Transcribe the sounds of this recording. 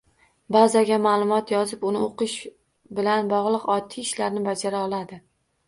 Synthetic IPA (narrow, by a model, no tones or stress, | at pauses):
bazaɡʲamaːlˠʊmɒt̪ʰjɒzɪpʊnɪoqɨʃ | bɪlanbɒʁlˠɨqɒt̪ʰːiɪʃlaɾnɪbad͡ʒaɾaɒlˠad̪ɪ